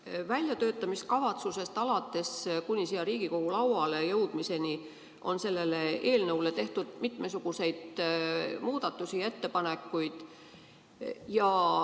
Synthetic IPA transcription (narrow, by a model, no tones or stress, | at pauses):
vælʲjɑt̪ø̞ːt̪ːˑɑmiskɑvɑt̪suse̞st̪ɑlɑt̪ːˑe̞skunʲisijɑɾiːɡ̥iko̞ɡ̥ulɑwɑle̞jɤwd̪̥mise̞ni | ʔo̞nse̞lːe̞le̞e̞ːlnɤwle̞t̪e̞ht̪ud̪̥mit̪ˑme̞suɡ̥use̞jd̪̥ | muːd̪̥ɑt̪ːˑusie̞t̪ːe̞pɑne̞kːˑujd̪̥ | jɑ